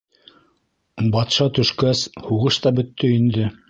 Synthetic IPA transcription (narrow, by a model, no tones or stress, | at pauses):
bɑt̪ʃɑt̪ɵ̆ʃkæshuʁɤʃt̪ɑbɵ̆t̪ːɵind̪ɘ